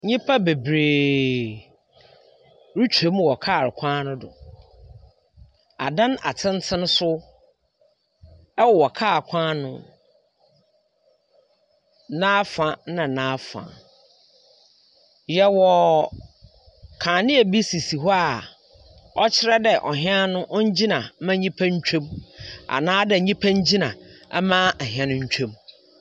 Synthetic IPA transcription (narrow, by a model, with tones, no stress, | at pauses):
ɲĩ˦pʰa˦be˨bɾeː˨ | ɾu˦t͡ɕʰᶣe˨˦m˦wɔ˨kʰa˦˨ɾɪ˨kʷʰãː˦nʊ̃˦dʊ̰˨ | a̰˨dã˦na̰˨tʰɪ̃˦n˦tʰɪ̃˦n˦sʊ˦ | ɛ˦wɔ˨wɔ˨kʰaː˦˨kʷʰãː˦nʊ̃˦ | nãː˦fã˨nã˨nãː˦fã̰˨ | jɛ˦wɔ˨ | kʰã˨nɪ̃˦e˨bi˦si˨si˨ɦɔ˦a˨ | ɔ˦t͡ɕʰɪ˦ɾɛ˦dɛ˨ʔɔ˨ɦɪ̃˦a˦nʊ̃˦ʔɔ˦ɲ˦d͡ʑi˦nã˨˦mã˦ɲĩ˦pʰæ̃˦ɲ̩˦t͡ɕʰᶣõ˦ma̰˨nãː˦dɛ˨ɲĩ˦pʰã˦ɲ̩˦d͡ʑi˦nã˨˦mã˦ʔɛ˨ɦɪ̃˨ã˦nʊ̃˦ɲ̩˦t͡ɕᶣõ˦m